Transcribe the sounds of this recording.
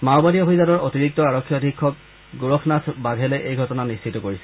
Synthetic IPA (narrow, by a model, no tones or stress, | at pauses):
mawbadiobʱizanɔɹotiɹik̚tɔaɹɔkʰːjɔdʱikʰːɔk̚ | ɡuɹɔxʰnatʰbaɡʱɛleʔejɡʱɔtɔnanist͡ʃʰitɔkoɹisɛ